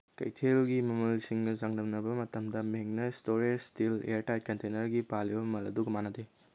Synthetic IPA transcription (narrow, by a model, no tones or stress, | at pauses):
kɐ̰jtʰelɡimɐmɐlsiŋnɐzaŋnɐmnɐbɐmɐtɐmdɐmeŋnɐstoɾed͡ʒstilḛɾtajt̚kɐntenɐɾɡipalibɐmɐmɐlɐ̰duɡɐmanɐde